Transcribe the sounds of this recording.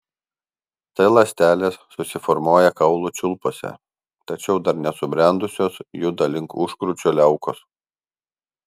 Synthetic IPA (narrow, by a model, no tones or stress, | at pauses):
t̪ɐɪlˠɐsʲt̪ʲæːlʲeːsːʊsʲɪfɔɾmoːjɛkɐʊlˠuːˑt͡ʃʲʊlˠpoːsʲɛ̰ | t̪ɐt͡ʃʲɛʊd̪ɐɾnʲɛsʊbʲɾʲɛˑnd̪ʊsʲoːsjʊd̪ɐlʲɪŋkʊʃkɾʊt͡ʃʲulʲɛʊkos